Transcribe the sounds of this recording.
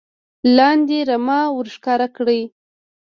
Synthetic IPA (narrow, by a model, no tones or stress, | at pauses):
lɑnd̪eɾamɑwəɾʃkɑɾakɽəj